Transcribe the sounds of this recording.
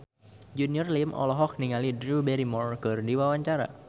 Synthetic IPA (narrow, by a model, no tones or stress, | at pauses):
d͡ʒuniɔrlimʔɔ̰lɔɦɔk̚niŋalidɾubɛɾimɔrkərdiwawaɲt͡ʃaɾa̰